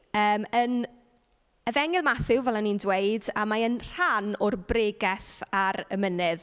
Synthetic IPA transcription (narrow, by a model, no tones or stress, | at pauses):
əːmən | əvɛŋɪlˠmaθɪwvɛlˠanindweɨdamaənr̥anʊrbreːɡɛθaɾə̰mənɪð